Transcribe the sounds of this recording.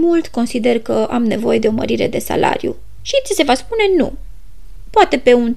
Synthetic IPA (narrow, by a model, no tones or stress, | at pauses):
mult̪ko̞nsid̪e̞rkəʔamne̞vo̞je̞d̪eo̞mə̰ɾiɾe̞d̪e̞sa̰lʔa̰ɾjṵ | ʃisʲəse̞vaspune̞nṵ | poat̪e̞pe̞un